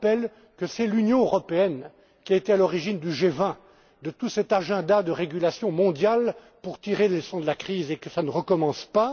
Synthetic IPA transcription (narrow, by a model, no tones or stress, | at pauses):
pɛl | kəsɛlynjɔ̃øʁɔpeɛn | kʲiaet̪ɛalɔʁiʒind̪yʒevɛ̃ | d̪ət̪usɛt̪aʒɛ̃d̪ad̪əʁeɡʲylasjɔ̃mɔ̃d̪jal | puʁt̪iʁelesɑ̃d̪əlakχizekəsanəʁəkɔmɑ̃spa